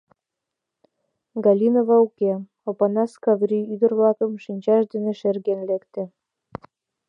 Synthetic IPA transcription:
ɡɑlʲinovɑuke | opɑnɑskɑvrʲiyd̪ərβlɑkəmʃinʲt͡ɕɑʃd̪eneʃerɣenlekt̪ĕ

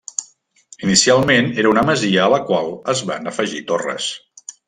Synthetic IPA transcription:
inisialˠmeneɾəunəməziəːləkwalˠəzβa̰nəfəʒit̪orə̰s

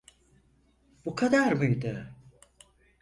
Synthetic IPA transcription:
b̥ukʰad̪aɾmujd̪ɯ

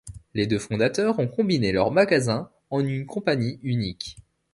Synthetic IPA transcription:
led̪øfɔ̃d̪at̪œʁɔ̃kɔ̃binelœʁmaɡazɛ̃ | ɑ̃nynkɔ̃paɲiynik

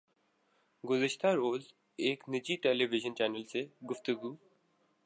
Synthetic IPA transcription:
ɡʊzəʃt̪aɾoːz | eːknɪd͡ʒiʈeːleʋɪʒənt͡ʃɛːnəlseɡʊft̪əɡuː

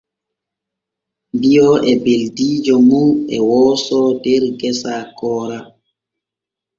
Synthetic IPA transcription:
mbijɔʔɛbeldiːd͡ʒɔmuɛwɔːsɔdɛɾɡɛsakɔːɾa

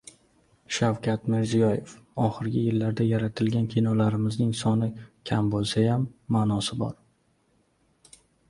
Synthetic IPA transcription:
ʃawkʲʰat̪mɪɾzijɒjefɒχɪɾɡʲɪjɪlːaɾd̪ajaɾat̪ʰɪlɡʲankʲʰinɒwlaɾɪmɪznɪŋsɒnɪkʲʰambolˠsajamːaːnɒsɪbɒ̰ɾ

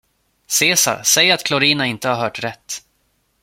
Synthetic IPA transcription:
seːsa̰ɾsɛjːɾat̪kʰlɔɾiːnaɪnt̪əhaɾɦœːʈɾɛt̪ː

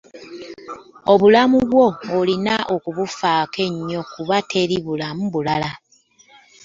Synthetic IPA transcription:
o̞βulamuβwo̞olinaʔokuβufaːke̞ɲːo̞kuβate̞ɾiβulamuβulala

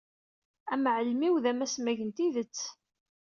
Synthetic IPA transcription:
æmʕəlmiwðæmæsmæʝənt̪iðət͡sː

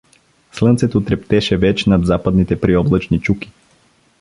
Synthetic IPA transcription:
slˠɤnt̪sɛt̪ot̪ɾɛpt̪ɛʃɛvɛt͡ʃnad̪zapəd̪nit̪ɛpɾiɔblˠət͡ʃnit͡ʃuki̥

